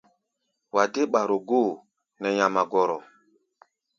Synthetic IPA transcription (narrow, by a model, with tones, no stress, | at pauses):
wa˨de˦ɓa˨ɾo˨ɡo˦˨ | nɛ˨jã˨ma˨ɡɔ˨ɾɔ˨